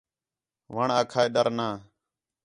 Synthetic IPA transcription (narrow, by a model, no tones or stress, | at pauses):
ʋəɳaːkʰaːeːɗ̪əɾnaː